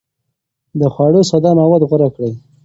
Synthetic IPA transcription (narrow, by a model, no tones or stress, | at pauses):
d̪əxwɑɽosad̪ɑmawad̪ɣʊɾakɽəj